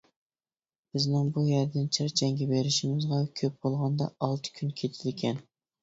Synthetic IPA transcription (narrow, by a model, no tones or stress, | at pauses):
b̥ɪznɪŋbujæɾd̪ɪnt͡ʃʰɪɾt͡ʃʰɛŋɡʲɛbeɾɪʃɪmɪzʁɑkʲʰøp̚bolˠʁɑnd̪ɑ̰ɑlˠt̪ʰɨ̥kʲʰynkʲʰet̪ʰɪlkʲʰɛn